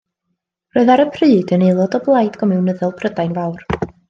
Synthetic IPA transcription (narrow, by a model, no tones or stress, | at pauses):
roɨðaɾəpʰrɨːdənejlˠɔdɔblˠajdɡ̥ɔmɪwnəðɛlˠpʰrədajnvawr